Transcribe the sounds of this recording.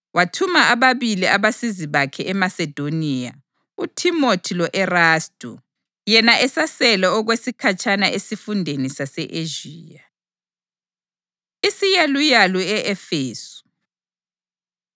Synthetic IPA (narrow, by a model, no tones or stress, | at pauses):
watʰumaʔaβaβiliaβasiziβakʰɛʔɛmasɛd̥ʱoniːa̰ | utʰimotʰilɔʔɛraːstʼu | jɛnaʔɛsasɛlaɔɣwesikʰat͡ʃʰʼanaʔesifundʱenisasɛʔeʒiːja | isijalujaluɛʔɛfeːsu̥